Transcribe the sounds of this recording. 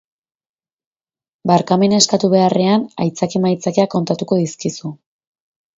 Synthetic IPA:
baɾkame̞naeskat̪uβe̞are̞anajt͡sakimajt͡sakeako̞nt̪at̪uko̞ðiskisu

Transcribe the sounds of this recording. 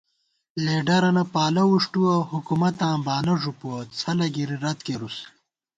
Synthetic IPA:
leːɖɐɾɐnɐpaːlɐwuʂʈuɐhukumɐt̪ãːbaːnɐʐupuɐt͡sʰɐlɐɡiɾiɾɐt̪̚keɾus

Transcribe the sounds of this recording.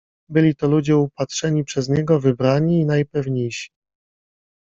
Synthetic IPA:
bɘlʲit̪ɔlud͡ʑɛupatʂɛɲipʂɛzɲɛɡɔvɘbɾaɲiːnajpɛvɲejɕi̥

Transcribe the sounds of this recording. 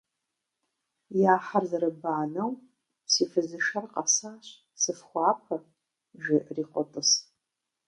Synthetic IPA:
jaːħarzaɾɨbaːnɐw | sifɨzɨʂarqʼasaɕʷ | sɨfχʷaːpʰa | ʒɪʔriqʷʼɔtʼɨs

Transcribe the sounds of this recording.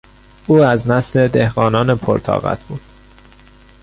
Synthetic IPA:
ʔuːæznæsle̞d̪ehɣɒːnɒːnepʰo̰ɾt̪ʰɒ̰ːɣæ̰t̪ʰb̥uːd̪̥

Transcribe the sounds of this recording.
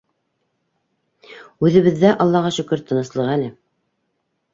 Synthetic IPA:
ʉðɘ̆βɘ̆ðːæʔɑlˠːɑʁɑʃɵ̆kɘɾt̪ʰːɤ̆nɤ̆slˠɤʁælɘ

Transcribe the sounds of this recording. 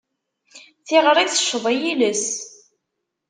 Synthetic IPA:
θiʁəɾˤiθə̥ʃːəðˤæjiləs

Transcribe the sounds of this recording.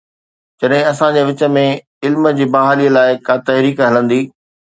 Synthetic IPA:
d͡ʑɐɗɦɪ̃ɐsãd͡ʑeːʋɪt͡ɕə̆mẽ | ɪlmd͡ʑiːbɐɦaːliːəlaːɪkaːt̪ɐɦɾiːkɦɐlə̃nd̪iː

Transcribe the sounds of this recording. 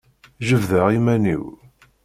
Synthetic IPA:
ʒəvðəʁimænḭw

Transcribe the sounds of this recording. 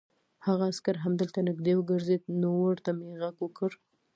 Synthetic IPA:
haɣaːskaɾɦamd̪əlt̪anɪɡd̪ewəɡəɾzed̪̚nowaɽt̪ameɣaɡwəkəɾ

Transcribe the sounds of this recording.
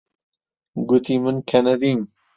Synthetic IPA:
ɡut̪imɨnkʰɐnɐd̪in

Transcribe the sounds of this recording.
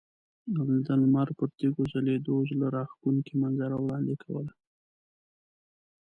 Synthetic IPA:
awld̪almaɾpəɾt̪eɡoʒaled̪oʒlaɾɑxkuŋkimanzaɾawɽɑnd̪ekʰawə̰la

